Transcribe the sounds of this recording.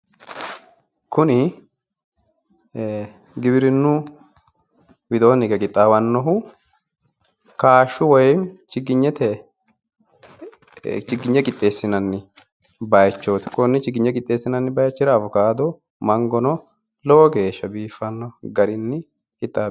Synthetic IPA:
kʊnɪ | ɡɪbɪɾɪnːʊ | wɪd̪oːnɪkɛkʼɪt̪ʼːaːwɐnːɔɦʊ | kaːʃːʊwɔjɛnt͡ʃɪɡɪɲːɛt̪ɛ | t͡ʃɪɡɪɲːɛkʼɪt̪ʼːe̞ːsːɪnɐnːɪ | bɐjt͡ʃːoːt̪ɪ̥kʊnːɪt͡ʃɪɡɪɲːɛkʼɪt̪ʼːe̞ːsːɪnɐnːɪbɐjt͡ʃːɪɾɐvʊkaːd̪ɔ | mɐŋɡɔnɔ | lɔwɔɡe̞ːʃːɐbiːfːɐnːɔɡɐɾɪnːɪ | kʼɪt̪ʼːaː

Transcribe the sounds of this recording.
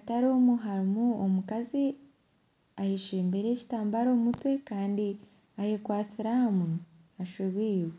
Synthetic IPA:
ataɾoːmuɦaɾimuomukazi | aheʃeːmbeɾe̞ci̥taːmbaɾo̞ːmutwe̞kaːndi | ahekwaːt͡siɾahamu | aʃeβwiːwe

